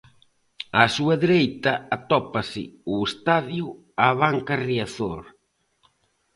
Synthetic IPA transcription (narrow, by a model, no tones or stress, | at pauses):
asuaðeɾejt̪ɐat̪ɔpasɪ̰uest̪aðjʊ | aβ̞aŋkariaθoɾ